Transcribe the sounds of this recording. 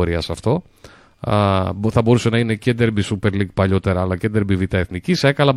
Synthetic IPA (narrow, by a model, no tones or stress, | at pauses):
oɾiɐsɐft̪o̞ | θɐbo̞ɾuse̞nɐine̞ced̪eɾbisupe̞ɾliɡ̚pɐʎo̞t̪e̞ɾɐːlɐce̞nd̪eɾbivit̪ɐeθnicisekɐlɐ